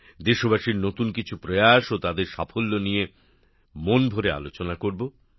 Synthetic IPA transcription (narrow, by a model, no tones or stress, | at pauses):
d̪eɾʃobaʃiɾnot̪unkit͡ɕʰupɾojaʃot̪ad̪eɾʃa̰fʰolːonije | monbʱoɾea̰lot͡ɕonakoɾbo